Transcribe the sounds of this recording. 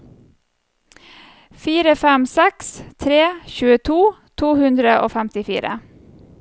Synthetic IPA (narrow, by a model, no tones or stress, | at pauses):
fiːɾəfɛmsɛkst̪ʰɾeːçʉːət̪ʰuːt̪ʰuːhʉnd̪ɾəʔo̰ːfɛmt̪ɪfḭːɾə̰